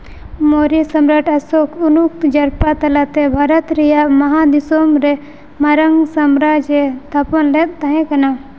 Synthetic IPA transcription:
moːɾisɐmɾɐʈʰɐsokʰunuk̚t̪d͡ʒɐɾpat̪ɐlat̪ebʱaːɾɐt̪ɾijamɐɦad̪isoːmɾe | mɐɾɐŋɡsɐmɾaːd͡ʒet̪ʰɐpɐnlet̪ɐɦẽkɐna

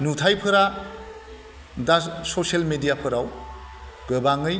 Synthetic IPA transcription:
nutʰajpʰɯɾa | dasoselmedijapʰɯɾaw | ɡɯbaŋɯj

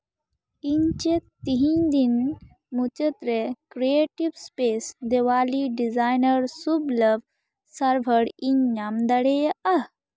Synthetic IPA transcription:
iɲt͡ʃet̪iɦĩd̪in | mut͡ʃət̪ɾekɾieʈiʋspesd̪eʋaːliɖizajnəɾsubləb | sɐɾbʱəɽiɲɲamd̪ɐɽejɐ

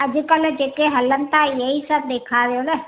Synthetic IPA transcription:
ɐd͡ʒkəld͡ʒeːkeɦɐlːənt̪ajɐɦisəb̚d̪eːkʰaɾejonɐ

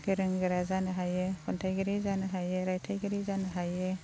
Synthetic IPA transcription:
ɡeɾɯŋɡɯɾazanɯɦajekʰɔntʰajɡɯɾizanɯɦajeɾajtʰajɡɯɾizanɯɦaje

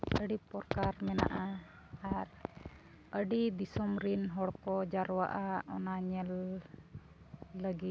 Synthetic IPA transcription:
əɖipɔɾkaɾmɛna̰ʔa | aɾ | əɖid̪isɔmɾinɦɔɽkɔd͡ʒaɾwa̰ʔaʔɔnaɲɛl | əɡit̪̚

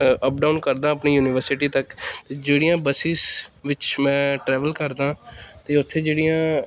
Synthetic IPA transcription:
əp̚ɖaːnkəɾd̪ãːəpniːjuːnɪʋəɾsɪʈiːt̪əkt̪eːd͡ʒeːɽijãːbəsiːsʋɪt͡ʃmɛ̃ːʈɾɛːʋəlkəɾd̪ãːt̪eːʊt̪ʰːeːd͡ʒeːɽijãː

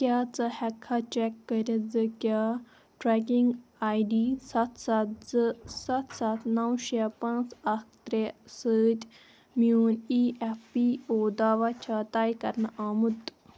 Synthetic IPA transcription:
kʲjaːt͡sɐhɛkʰːat͡ʃekːəɾʲɐd͡zɨkʲjaː | ʈɾɛkiŋɡaːjɖiːsɐt̪ʰsɐt̪d͡zɨsɐt̪ʰsɐt̪ʰnɐwʃapɐnsɐk̚ʰt̪ɾesəːt̪ʲ | muːniːʔefpioːd̪aːʋat͡ʃʰaːt̪aːjkɐɾnɐʔaːmut̪

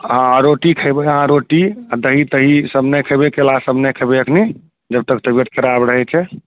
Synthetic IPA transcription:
ɦãaɾoʈikʰəjbɛɦãɾoʈiad̪əɦit̪əɦisəbnəkʰəjbekelasəbnəkʰəbeəkʰni | d͡ʒəb̚t̪əkt̪əbiət̪̚kʰəɾabɾəɦɛt͡ʃʰɛ

